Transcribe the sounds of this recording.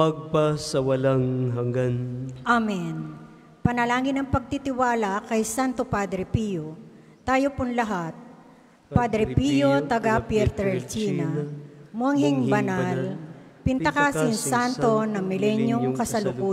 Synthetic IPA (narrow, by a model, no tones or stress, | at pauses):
ɐɡ̚pɐsɐwɐlaŋɦɐŋɡanʔamɛn | pɐnɐlaːŋɪnɐŋpɐɡ̚t̪it̪ɪwaːlɐkɐjsant̪opad̪ɾɛpijo | t̪aːjopʊnlɐɦat̪̚ | pad̪ɾɛpijot̪ɐɡapjɛɾt̪ɛlt͡ʃiːnɐmoɐŋhɪŋbɐnalpɪnt̪ɐkasɪnsant̪o̞nɐŋmɪlɛnjoŋkɐsɐlʊku